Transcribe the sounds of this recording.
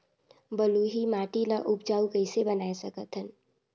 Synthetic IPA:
bəluɦimaːʈilaʔʊpd͡ʒaːukəɪsebənaːesəkət̪ʰɦən

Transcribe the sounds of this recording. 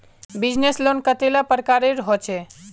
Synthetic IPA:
bid͡ʒneslonkət̪elapəɾəkaɾeɾɦɔt͡ʃʰɛ

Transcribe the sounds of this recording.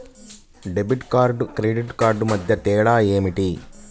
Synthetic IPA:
ɖebiʈkaːɾɖkɾeɖiʈkaːɾɖmɐd̪ʱjɐt̪ɛːɽaːeːmiʈi

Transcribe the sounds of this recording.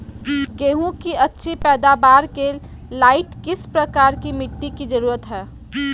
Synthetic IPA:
ɡeːɦũkiɐtːʃʰipɛːd̪aːbaːɾke | laːɪʈkɪspɾɐkaːɾkimɪʈːikid͡ʒəɾuːɾət̪ɦɛː

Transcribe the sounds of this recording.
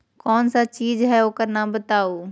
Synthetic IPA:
kɔːnsat͡ʃiːzɦɛoːkəɾnabət̪aːoː

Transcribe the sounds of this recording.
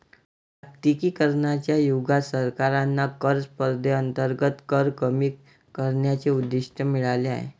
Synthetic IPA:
akt̪ikiːkəɾɳat͡ɕjajuɡasəɾkaɾanːakəɾspəɾd̪ʱeənt̪əɾɡət̪kəɾkəmiː | kəɾɳjat͡seud̪ːiʂʈʰəmiɭaleaɦḛ

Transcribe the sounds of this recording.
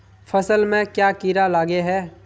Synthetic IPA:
fʰɐsəlmẽkjaːkiɾalaːɡeɦɛː

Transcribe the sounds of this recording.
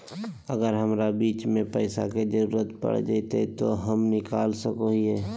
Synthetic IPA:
əɡəɾɦəmɾabiːt͡ʃmẽpəɪsaked͡ʒəɾuːɾət̪pə̰ɽ̤d͡ʒait̪et̪oɦəmnɪkaːlsəkoɦiɛː

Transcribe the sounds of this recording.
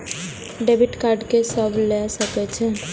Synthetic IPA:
ɖeːbɪʈkaːɾɖkesəblesəket͡ʃʰɛ

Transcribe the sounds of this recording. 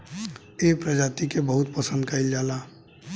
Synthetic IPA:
epɾəd͡ʒat̪ikebəɦut̪̚pəsənd̪kəɪld͡ʒala

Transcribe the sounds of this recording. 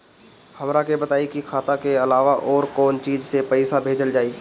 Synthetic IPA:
hɐmɾakebət̪aːikikʰaːt̪akeɐlaːʋaʔɔːɾkɔːnt͡ʃiːd͡ʒsepɛɪsabʱeːd͡ʒəld͡ʒaːiː

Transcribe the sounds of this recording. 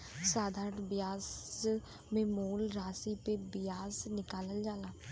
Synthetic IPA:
saːd̪ʱaːɾʈbɪjaːs | mẽːmoːlɾaːsiːpebɪjaːsnɪkaːləld͡ʒaːlaː

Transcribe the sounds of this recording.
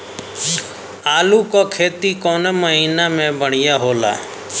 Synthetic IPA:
aːluːkoːkʰeːt̪iːkoːneməɦiːnaːmẽːbəɳ̤ɪjaːɦoːla̰ː

